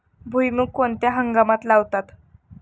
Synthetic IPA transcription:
bʱujmukːont̪jaɦəŋɡamat̪laʋt̪at̪

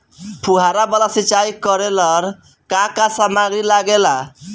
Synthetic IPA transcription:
pʰuɦaɾabalasit͡ʃaikɔɾelɔɾ | kakasamaɡɾilaɡela

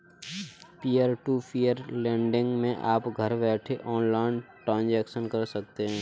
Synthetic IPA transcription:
pijəɾʈupijəɾlɛ̃ːɳɖɪ̃ŋɡmẽʔaːpɡʱəɾbɛːʈʰeʔɔːnlaːɪnʈɾãːnd͡ʒɛːkʃənkɐɾsək̚t̪eɦɛ̃ː

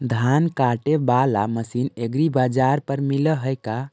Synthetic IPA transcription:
d̪ʱankaʈebalaməsineɡɾibad͡ʒaɾpəɾmiləɦəjka

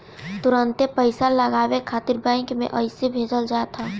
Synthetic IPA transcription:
t̪ʊɾə̃nt̪epəɪsalɐɡaːwekʰaːt̪ɪɾbɛ̃ɪŋkmḛ̃ʔɐɪsebʱeːd͡ʒəld͡ʒaːet̪ʰaː

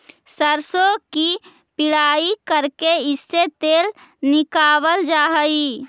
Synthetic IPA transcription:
səɾsoki | pɪɽaːikəɾkeɪsːet̪eːl | nɪkaːbəld͡ʒaːɦəi

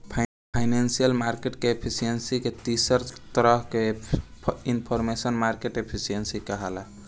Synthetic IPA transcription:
pʰ | pʰaɪnensijəlmaɾkeʈkeepʰisijensiket̪isəɾt̪əɾəɦke | inpʰɔɾmesənmaɾkeʈepʰisijensikəɦɛla

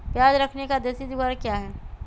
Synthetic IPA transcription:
pjaːd͡ʒɾɐkʰnekad̪eːsid̪ʊɡaːɾkjaːɦɛː

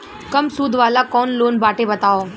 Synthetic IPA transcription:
kɐmsuːd̪ʱʋaːlakɔːnloːnbaːʈebɐt̪aːoː

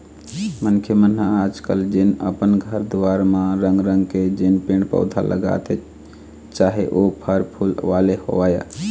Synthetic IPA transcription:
mənkʰjəmənɦaaːd͡ʒkəld͡ʒɪnəpənɡʱəɾd̪ʋaɾmãɾəŋɡɾəŋɡked͡ʒɪnpẽɳɖpə̰ʊd̪ʱa̰lə̰ɡa̰t̪e | t͡ʃaːɦeʔopʰəɾpʰulʋaleho̰ʋaːja̰

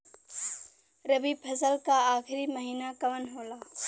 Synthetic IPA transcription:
ɾɐbipʰɐzəlkaaːxʰɪɾiməɦiːnakɐʋənɦoːlaː

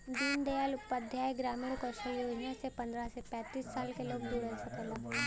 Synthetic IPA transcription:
d̪iːnd̪ealʊppːəd̪ʱjaːeɡɾaːmiɽukəʃoloãsepɐ̃nd̪ɾasepɛ̃ːt̪iːsːaːlkeloːɡ̚d̪uːɽɛsɐkɛ̃laːɦ

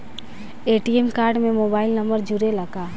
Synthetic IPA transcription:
eːʈiemkaːɾɖmẽmoːbaːɪlnɐmbəɾd͡ʒʊɾelɐɡaː

